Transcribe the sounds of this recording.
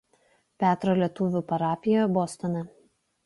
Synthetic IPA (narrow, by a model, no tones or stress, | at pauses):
pʲæːt̪ɾoːlʲiɛt̪ʊʋʲupɐɾɑːpʲɪjojbɔst̪ɔnʲɐ